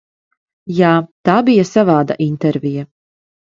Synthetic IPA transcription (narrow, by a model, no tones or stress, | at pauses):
jaːt̪aːbijasavaːd̪a̰ʔint̪ɛɾvija